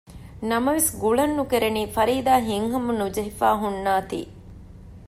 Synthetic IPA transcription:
nɐmɐʋesɡuɭɐnːukeɾeniːfɐɾiːd̪aːɦiŋɦɐmunud͡ʒɐɦifa̰ːɦunːaːt̪ḭː

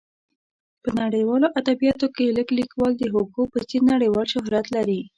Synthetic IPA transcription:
pənaɽəjwɑloʔad̪abijɑt̪okeləɡlikwɑld̪əɦoɡopət͡siɾnaɽəjwɑlʃʊɦɾat̪laɾi

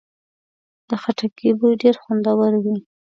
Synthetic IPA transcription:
d̪̥əxaʈakʰibujɖeɾxʊnd̪awəɾwi

